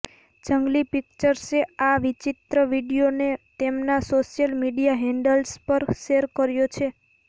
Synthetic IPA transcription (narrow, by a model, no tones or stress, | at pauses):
d͡ʒəŋɡlipik̚t͡ʃəɾseaʋit͡ʃit̪ɾəʋiɖijonet̪emnasoʃijəlmiɖijaɦɛ̃ɳɖəlspəɾʃeɾkəɾjot͡ʃʰe